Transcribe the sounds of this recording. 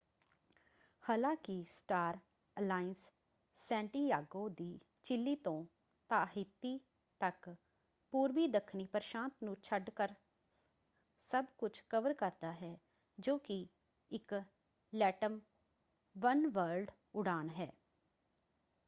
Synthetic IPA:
haːlãːkɪsʈaːɾ | əlaːɪnsː | ɛ̃ːɳʈiːjaːɡoːd̪iː | t͡ʃɪlːiːt̪õː | t̪aːɦɪt̪ːiː | t̪ək | puːɾʋiːd̪əkʰniːpəɾʃãːnt̪nũːt͡ʃʰəɖkəɾ | səbkʊt͡ʃʰkəʋəɾkəɾd̪aːɦɛː | d͡ʒoːkɪ | ɪk | lɛːʈəm | ʋənʋəɾɖ | ʊɽaːnɦɛː

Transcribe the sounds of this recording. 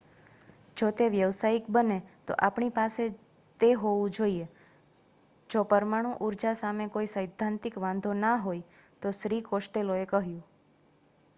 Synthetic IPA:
d͡ʒot̪eʋjəʋsaikbənet̪o̰ʔapɳipase | t̪eɦoʋũd͡ʒoie | d͡ʒopəɾmaɽ̃ũʔuɾd͡ʒasamekoisəjd̪ʱːãnt̪ɪkʋãnd̪ʱonaɦoj | t̪oʃɾikosʈeloekəɦjũ

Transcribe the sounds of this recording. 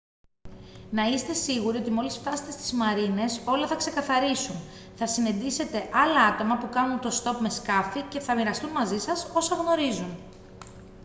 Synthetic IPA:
nɐist̪e̞siɣuɾio̞t̪̬imo̞lisft̪ɐse̥t̪e̞st̪izmɐɾine̞so̞lɐθɐkse̞kɐθɐɾisun | θɐsinend̪ise̞t̪e̞ʔɐlɐɐt̪o̞mɐpukɐnunt̪o̞st̪o̞pme̞skɐfice̞θɐmiɾɐst̪unmɐzisɐso̞sɐɣno̞ɾizun

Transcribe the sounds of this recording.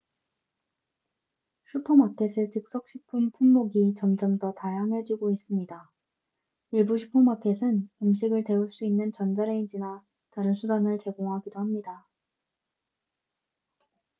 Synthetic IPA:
ɕʰutʰomatʰe̞sʰet͡ɕɯk̚s͈ʌk̚ɕ͈ʰipʰɯnpʰumːoɡit͡ɕʌmd͡ʑʌmdʌtajaŋɦe̞d͡ʑiɡois͈ɯmɲida | iɭbuɕʰi̥pʰomakʰe̞sʰɯnimɕ̬ʰiɡɯɭte̞uɭs͈uinːɯnt͡ɕʌnd͡ʑaɾe̞ind͡ʑina | taɾɯnsʰudanɯɭt͡ɕe̞ɡoŋɦaɡidohamɲida

